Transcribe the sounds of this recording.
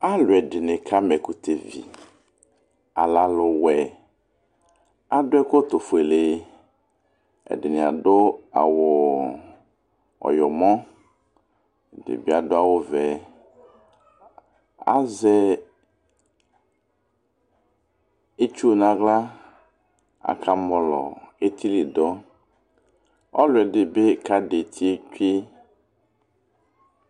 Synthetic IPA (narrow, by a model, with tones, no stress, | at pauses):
a˦lʊ˨ɛ˨ɖɪ˨nɪ̃˨kʰa˦mɛ˨ku˨t̪ʰe˨vḭ˨ | a̰˨la˨lʊ˨wɛ˨ | a˦dʊ˦ɛ˦ko˦t̪o˨fu˨e˨le˨ | ɛ̰˨ɖɪ˨nɪ̃˨a˨dʊ˦a̰˨wʊ˨ | ɔ̰˨jɔ˨mɔ̃˦˨ | dɪ̰˨bi˦a˨dʊ˦a˦˨wo˦vɛ˨ | a̰˦zɛ˦ | e˦t͡ʃu˦˨nã˨ɡla˦ | a̰˨kʰa˦mɔ˦lɔ̰˨e˦t̪ʰi˦li˨dɔ˦ | ɔ̰˦lʊ˨ɛ˨dɪ˨be˦ka˦de˨t̪ʰi˦e˦t͡ʃᶣi˦